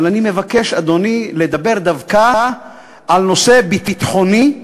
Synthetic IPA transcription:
lanime̞vake̞ʃad̪o̞niled̪abe̞ʁd̪avka | alno̞se̞bitit̪χo̞ni

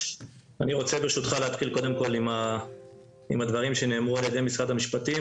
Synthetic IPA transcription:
aniʁo̞t͡se̞biʁʃut̪χaleat̪χilko̞d̪e̞mko̞lima | imhad̪vaʁimʃe̞ne̞ːmʁualjed̪e̞jmisʁad̪hamiʃpat̪i

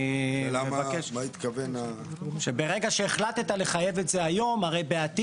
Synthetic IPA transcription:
lamemabakeʃait̪kavena | ʃebe̞ʁe̞ɡaʃeːχlat̪t̪ale̞χaje̞vetzeajo̞maʁe̞jbeat̪i

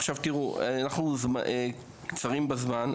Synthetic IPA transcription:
χʃavtiʁunaχnuzme | kt͡saʁimbazman

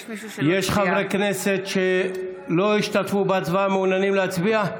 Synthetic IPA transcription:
jeʃχavʁeknese̞t̪ʃe | lo̞iʃt̪at̪fubat͡svaameunanimleat͡sbia

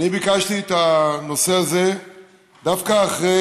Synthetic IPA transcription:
nibikaʃt̪iet̪ano̞se̞aze̞ | d̪afkaːχʁe

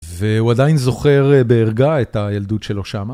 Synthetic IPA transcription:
veuadainzo̞χe̞ʁbe̞ːʁɡaetajald̪utʃelo̞ʃama

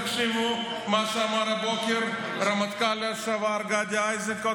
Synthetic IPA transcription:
kʃemõ | maːʃamaːɾabɔːkɐɾ | ɾɐmət̪kaːlɐsɐʋaːɾɡaːd̪aːjzɐkɐ

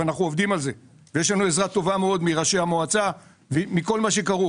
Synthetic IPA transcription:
anaχnuovd̪imalze̞ | vejeʃ̬lanue̞zʁat̪o̞vameo̞d̪miʁaʃeamoat͡sa | vimiko̞lmaʃe̞kaʁu

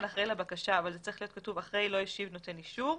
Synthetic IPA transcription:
naχʁejlabakaʃaːvalzet͡saʁi̥χlijo̞t̚katuvaχʁejlo̞jiʃivno̞teniʃuʁ

